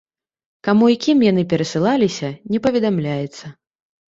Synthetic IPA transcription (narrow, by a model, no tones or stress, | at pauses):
kamuikʲimjan̪ɨpʲɛɾɐsɨlˠalʲisʲɐnʲɛpɐvʲɛd̪amlʲajɛt̪sːɐ